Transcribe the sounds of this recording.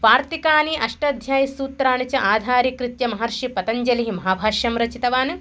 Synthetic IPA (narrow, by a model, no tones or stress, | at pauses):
ʋaːɾt̪ikaːniʔɐʂʈɐd̪ʱjaːjɐsuːt̪ɾaːɳut͡ʃɐʔaːd̪ʱaːɾikɾit̪jɐmɐɦɐɾʃipɐt̪ɐɲd͡ʒɐliɦimɐɦaːbʱaːʃjɐmɾɐt͡ʃit̪ɐʋaːnu